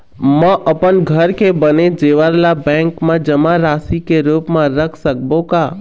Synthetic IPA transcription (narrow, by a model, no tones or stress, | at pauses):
mə̃ʔəpənɡʱəɾkebəned͡ʒeːʋəɾlabɛ̃ːŋkmãd͡ʒəmaɾaːsikeɾuːpmãɾəkʰsək̚bõkaː